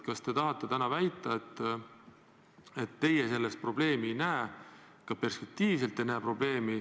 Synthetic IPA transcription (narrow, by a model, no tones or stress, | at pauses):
kɑst̪e̞t̪ɑɦɑt̪ːˑe̞t̪ænɑvæjt̪ːˑɑet̪ˑː | et̪ːe̞jese̞lːest̪̚pro̞b̥le̞ːmijnæe | kɑpe̞rspe̞k̚t̪iːvs̬e̞lt̪ːˑenæːpro̞b̥le̞ːmi